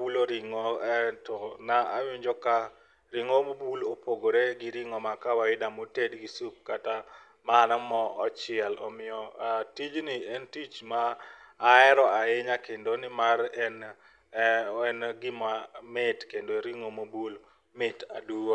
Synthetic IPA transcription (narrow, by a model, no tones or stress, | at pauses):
wuloɾɪŋoɛtɔnaʔawɪɲd͡ʒɔka | ɾiŋomobulopʰoɡoɾeɡɪɾɪŋɔmakawaɪdamotedɡisup̚kata | maːnamɔɔt͡ʃɪɛlɔ̰mɪjɔatid͡ʒnɪɛntit͡ʃmaː | ɛɾɔaɪɲakendonɪmaɾɛn | ɛnɡɪmamɪtkendoɾiŋomobul | mɪta̰duo